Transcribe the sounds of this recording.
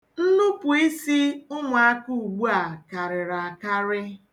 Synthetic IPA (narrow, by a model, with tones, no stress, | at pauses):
n̩˦nʊ˦pʊ˨i˦si˦ʊ˦mʊ˨a˦ku˦u˨ɡ͡bu˦a˨ka˨ɾɪ˨ɾa˨ka˦ɾɪ˦